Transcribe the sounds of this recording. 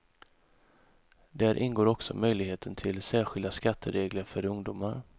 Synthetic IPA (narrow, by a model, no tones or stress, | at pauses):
d̪æːɾʔɪnɡoːɾɔksɔ̰mœjlɪɡheːt̪ʰənt̪ʰɪlsæːɾɧɪld̪askat̪ʰːəɾeːɡləɾfœɾɵŋd̪uːmaɾ